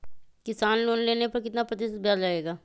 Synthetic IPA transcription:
kɪsaːnloːnleːnepɐɾkɪt̪napɾɐt̪ɪs̚bʱjaːd͡ʒaːeːɡaː

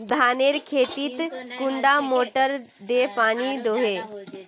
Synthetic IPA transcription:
d̪ʱaːneːɾkʰeːt̪iːt̪kʊɳɖamoːʈəɾ | d̪epaːnid̪oɦe

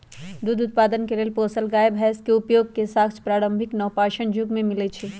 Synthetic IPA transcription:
d̪ud̪ʊt̪̚paːd̪ənkeleːlpoːsəlɡaːjebʱɛːskeʊpjoːɡ̚kesaːkspɾaːɾə̃mbʱɪknɔːpaːʃənd͡ʒʊɡmẽmɪlet͡ʃʰe

